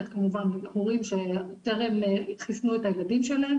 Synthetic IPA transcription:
t̪kamuvanhuʁimʃet̪eʁemχisnuetajeladimʃelaem

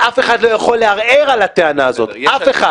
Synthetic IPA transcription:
ʔafeχadlo̞jaχo̞lːeaʁeʁalat̪eanaːzo̞t̪ʔafe̞χa

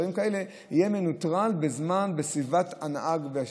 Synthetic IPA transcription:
ʁimkae̞le | ijemenutʁalbezmanbesivat̪anaʔaɡvea

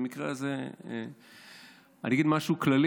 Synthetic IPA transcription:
mikʁelaze | aniaɡid̪maʃuuklali

